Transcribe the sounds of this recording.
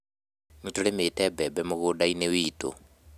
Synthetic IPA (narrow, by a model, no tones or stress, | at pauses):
nutʰuɺɪmɪtʼɛbɛbɛmʊɣʊdainewiːtʼɔ̰